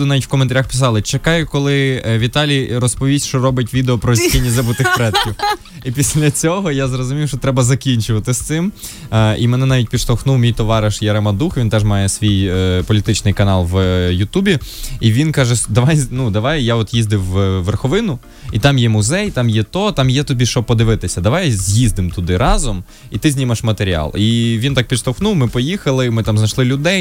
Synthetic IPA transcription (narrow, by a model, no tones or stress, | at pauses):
ɪnɑʋitʲwkɔment̪ɐɾʲaxpʲɪ̥s̬ɑlˠɪt͡ʃekɑjʊkɔlˠɪʋʲit̪ɑlʲiɾɔspɔʋʲisʲʃt͡ʃɔɾɔbɪtʲʋʲid̪eɔpɾɔzsʲkʲinʲːizɐbʊt̪ɪxpɾɛt̪kʲiw | ipʲisʲlʲɐt͡sʲɔɦɔjazrɔzʊmʲiwʃt͡ʃɔt̪ɾɛbɐzɐkʲinʲt͡ʃʊʋɐt̪ɪst̪sɪm | ḭmɛnɛnɑʋʲit̚ʲpʲiʃt̪ɐxnuwmʲijt̪ɔʋɑɾɪʃjɐɾɐmɐd̪uxʋʲint̪ɛʒmɑjɛsʋʲijpɔlʲit̪ɪt͡ʃnɪjkɐnɑlˠʋjʊt̪ubʲiiʋʲinkɑʒɛd̪ɐʋɑjnud̪ɐʋɑjjaɔt̪jizd̪ɪwʋerxɔʋɪnʊ | it̪ɑmjɛmʊzɛjt̪ɑmjɛt̪ɔt̪ɑmjɛt̪ʊbʲiʃɔb̚pɔd̪ɪʋɪt̪ɪsʲɐd̪ɐʋɑjzʲjizd̪ɪmt̪ʊd̪ɪɾʔɑzɔm | it̪ɪzʲnʲimɐʃmɐt̪eɾʲiɑ̰lˠiʋʲint̪ɑk̚pʲid̪ʃt̪ɔxnuwmɪpɔjixɐlˠɪmɪt̪ɑmznɐʃlˠɪlʲʊd̪ɛj